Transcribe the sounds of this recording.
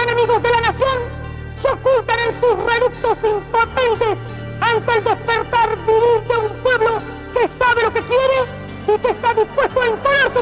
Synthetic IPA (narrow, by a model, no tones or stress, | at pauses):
anamiɣo̞zðe̞lanasjo̞ŋ | keokult̪anensusreluk̚t̪o̞simpo̞t̪ent̪es | ant̪eeld̪espeɾt̪aɾβiβiɾt̪eumpwe̞βlo̞ | kesaβe̞lo̞ke̞kje̞ɾe | ikeːst̪aðispwe̞st̪oaiŋkoɾaɾsu